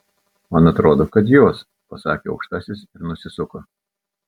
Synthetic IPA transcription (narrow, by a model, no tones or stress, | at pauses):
mɐnɐt̪ɾoːd̪oːkɐt̪̬joːs | pɐsɑːkʲeːɐ̰ʊkʃt̪ɑːsʲɪsɪɾnʊsʲɪsʊko